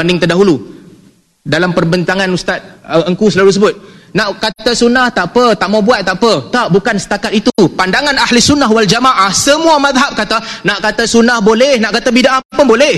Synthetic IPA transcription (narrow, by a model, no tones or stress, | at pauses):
andɪŋt̪ərdaɦulu | dalampərbənt̪aŋãnust̪at̪̚əəŋkusəlaut̪əsəbʊt̪̚naʔkat̪asunaht̪aʔpət̪aʔmabuat̪̚ːaʔpət̪aʔbukansə̥t̪akat̪it̪upandaŋanahləsunːaɦwald͡ʒamaʔahsəmũamaðɦap̚kat̪anaʔkat̪asunahbolɛhnaʔkat̪abidaʔapʊnbolɛh